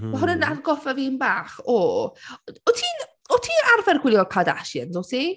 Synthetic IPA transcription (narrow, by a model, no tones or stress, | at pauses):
maɦʊnənarɡɔfəviːnbaːχɔ | ɔtʰiːn | ɔtʰiːarvɛrɡwɪlˠjɔkʰada̰ʃjə̰nzɔsi